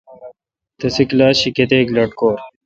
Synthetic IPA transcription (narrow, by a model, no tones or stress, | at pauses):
t̪ɐsiklaːɕiket̪eːkloʈ̚koːɾ